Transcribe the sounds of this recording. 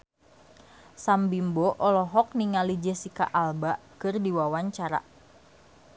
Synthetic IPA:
sambimboʔɔlɔɦɔk̚niŋalid͡ʒəsika̰ʔalbaʔkɨrdiwawaɲt͡ʃaɾa̰

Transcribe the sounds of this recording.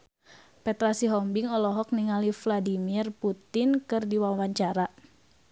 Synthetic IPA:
pɛt̪ɾasiɦɔmbiŋɔlɔɦɔk̚niŋalifladimirput̪ɪnkɨrdiwawaɲt͡ʃaɾa

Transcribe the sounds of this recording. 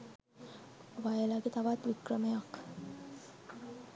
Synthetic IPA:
oʋajəlaɡet̪aʋat̪ʋikrəmejak

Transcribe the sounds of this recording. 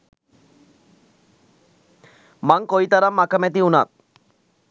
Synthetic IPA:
maŋkojt̪aɾamːakəmɛt̪̬iunat̪̚

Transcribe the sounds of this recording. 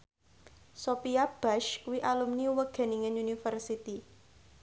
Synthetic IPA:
sopiab̥aʃwiʔalumniwəɡ̥a̤niŋənunifərsit̪i

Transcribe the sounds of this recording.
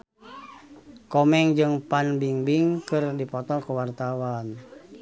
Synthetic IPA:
kɔmɛŋd͡ʒɨŋpanbiŋbiŋkɨrdipɔt̪ɔlkəwart̪awan

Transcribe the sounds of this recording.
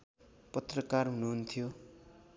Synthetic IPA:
pʌt̪rʌkarɦunuɦnt̪ʰijo

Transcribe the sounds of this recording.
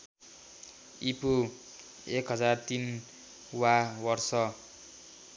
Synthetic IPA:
ipo | ekɦʌd͡zart̪in | wabʌrsʌ

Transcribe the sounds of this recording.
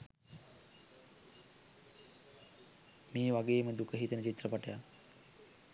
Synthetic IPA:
miːʋaɡeːməd̪ukəɦit̪ənət͡ʃit̪rəpaʈəjak

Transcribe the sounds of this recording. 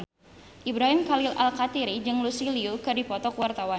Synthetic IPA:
ʔibɾaɦimkalilʔalkat̪iɾid͡ʒɨŋlusiliukɨrdipɔt̪ɔkwart̪awa

